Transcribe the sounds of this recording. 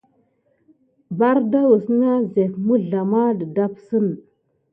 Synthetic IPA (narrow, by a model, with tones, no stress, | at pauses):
ba˦ɾda˦wu˨sna˦ze˨fmu˦ɮa˨ma˦də˨da˦psə˦n˨